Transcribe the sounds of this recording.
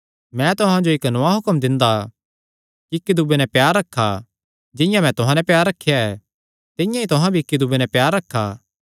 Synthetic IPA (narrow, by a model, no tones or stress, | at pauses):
mɛ̃t̪ʊɦãd͡ʒoɪknoaɦʊkəmd̪ɪ̃nd̪a | kiɪkːid̪ubenɛpjaːɾːɐkʰːa | d͡ʒɪ̃jãmɛ̃t̪ʊɦãnɛpjaːɾːɐkʰːejaɛ | t̪ɪ̃jãit̪ʊɦãbʱiːkːid̪ubenɛpjaːɾːɐkʰːaː